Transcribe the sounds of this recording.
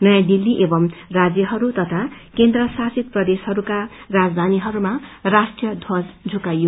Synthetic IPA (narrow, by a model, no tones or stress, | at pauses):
nʌjãd̪ilːiʔebʌmrad͡zjʌɦʌɾut̪ʌt̪ʰakend̪rʌsasit̪̚prʌd̪eshʌɾukarad͡zd̪ʱaniɦʌɾumarasʈrijʌd̪ʱwʌd͡zd͡zʱukajo